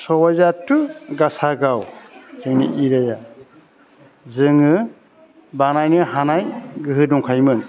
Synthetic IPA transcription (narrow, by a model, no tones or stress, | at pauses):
sɔwajzatːuɡasaɡawzɯnḭʔiɾaja | zɯŋɯ | banajnɯhanajɡɯɦɯdɔŋkʰajmɯn